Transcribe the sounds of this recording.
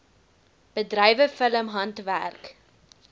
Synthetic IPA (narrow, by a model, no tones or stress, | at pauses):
b̥ədrɛjvəfələmɦɐntvæ̰rk